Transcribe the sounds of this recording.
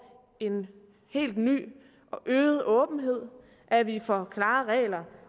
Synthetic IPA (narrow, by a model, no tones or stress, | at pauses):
e̝n | he̝̰ːld̥ny̰ː | ʔɒʔøːð̞̩ˠɔ̽ːb̥n̩ɦe̝ð̰ˠ | ʔæʋifɒkʰlɑ̈ːʁɛ̰ːlɐ